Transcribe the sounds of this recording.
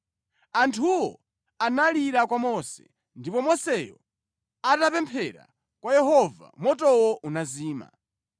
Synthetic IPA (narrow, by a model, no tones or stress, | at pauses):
antʰuwɔ | analiɾakwamɔsɛ̥̰ | ndipɔmɔsɛjɔ̰ | atapɛmpʰɛɾa̰ | kwajɛɦɔva̰mɔtɔwɔʔunaziːma̰